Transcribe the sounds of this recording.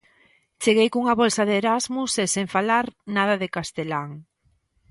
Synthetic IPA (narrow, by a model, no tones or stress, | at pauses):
t͡ʃeɣejkuuŋaβɔlsɐðeɾazmusesẽɱfalaɾnað̞ɐðekast̪elaŋ